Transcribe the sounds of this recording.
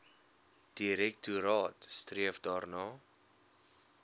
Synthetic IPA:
d̥iɾɛk̚tuɾɑːtstriəvdɑːrnɑː

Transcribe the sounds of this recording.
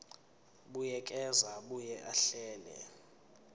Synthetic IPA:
ɓujɛk̬ʼɛzaɓujɛʔaɬɛːlɛ̰

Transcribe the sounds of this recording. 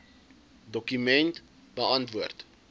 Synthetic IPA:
dɔkymɛnt | bəɐntvuərt

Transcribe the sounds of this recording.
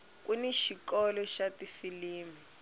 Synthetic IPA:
kuniʃikɔlɔʃatifiliːmi

